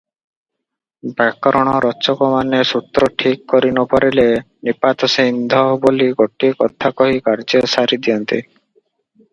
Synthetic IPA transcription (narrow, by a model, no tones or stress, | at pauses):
bakɔɾɔɽ̃ɔɾɔt͡ʃɔkɔmanesut̪ɾɔʈʰikːɔɾinɔpɔɾile | nipat̪ɔsend̪ʱɔboliɡoʈiekɔt̪ʰakɔɦikaɾd͡ʒesaɾid̪iɔnt̪i